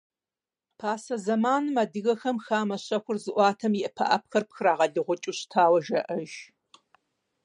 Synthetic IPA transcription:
pʰaːsɐzɐmaːnɨmaːdɨɣɐxɐmxaːmɐɕɐxʷʊrzɨʔʷɑːtʰɐmjɪʔɐpʰɐ̰ʔɐ̰p̚xɐrpxɨɾaːʁɐɮɨʁʷʊt͡ʃʼuːɕtʰaːwɐʒɐʔɐʒ

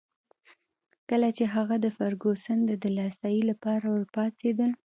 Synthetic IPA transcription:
kəlat͡ʃeɦaɣad̪əfaɾɡosənd̪ad̪əlɑst̪ajilapɑɾawəɾpɑt͡sed̪əl

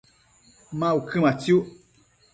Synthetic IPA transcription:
mãukʰɨmãt͡sjuʔ

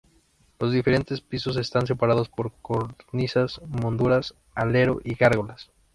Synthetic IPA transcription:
lo̞zðife̞ɾe̞nt̪e̞spiso̞s̬e̞st̪ans̬e̞paɾaðo̞spo̞ɾkoɾnisasmõnd̪uɾas | ale̞ɾo̞̰ʔiɣaɾɣo̞las

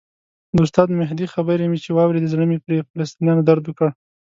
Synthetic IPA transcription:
d̪ost̪ɑd̪mɪɦd̪ixabəɾemit͡ʃewɑwɾed̪ezɽəmipɾefalast̪injɑnod̪aɾd̪wəkəɽ

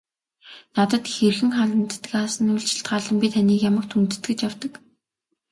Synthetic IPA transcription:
nat̪ə̆t̪xerxɘ̆ŋχaɮə̆nt̪ːkaːsə̆nʊjɮt͡ɕɪ̥̆ɬt̪̚ɢaːɮə̆mpʲit̪ʰaniːkjamə̆kt̪ʰunt̪ɘ̆t̪ɡɘ̆t͡ɕjawt̪ə̆k

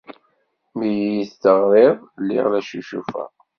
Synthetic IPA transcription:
mijijiθt̪əʁɾɪðˤlːɪ̰ʁlæʃiʃufæ̰

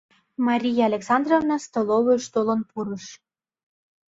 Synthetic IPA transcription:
mɑɾʲijɑɑlʲeksɑnd̪rovnɑst̪oloβeʃt̪olɤ̆npuɾɤʃ

